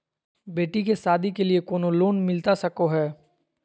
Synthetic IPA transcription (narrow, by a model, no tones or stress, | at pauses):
beːʈikesaːd̪ikeliekoːnoloːnmɪlt̪asɐkoɦɛː